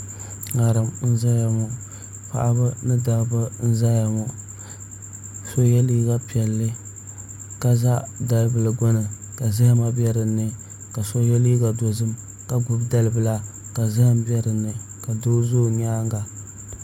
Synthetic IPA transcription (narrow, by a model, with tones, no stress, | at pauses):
ŋa˨ɾɨ˨mn̩˦za˦ja˨mɔ˨ | pa̰˦˨ʔa˦bɨ˦nɨ˦da˨bɨ˦n̩˦za˦ja˨mo˨ | so˦jɛ˦li˦ɡa˦pi˨ɛ˨lːɨ˦ | ka˦za˦da˨lɨ˨bɨ˨lɨ˨ɡo˦nɨ˨ | ka˨za˦hma˦bɛ˦ɾɨ˨nːɨ˨ | ka˨so˦jɛ˦liː˦ɡa˨do˨zɨ˦m | ka˨ɡʊ˦bda˦lɨ˨bɨ˨la˦ | ka˨za˦hɨ˦˨m˦bi˦ɛ˦ɾɨ˨nːɨ˨ | ka˨do˦zo˦˨ɲ˦aː˦ŋɡa˨